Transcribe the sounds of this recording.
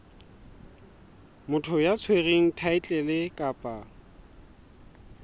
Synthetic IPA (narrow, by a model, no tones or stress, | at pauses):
mʊtʰʊjat͡sʰwereŋ̩tʰaɪt͡ɬʼɛlɪkʼapʼa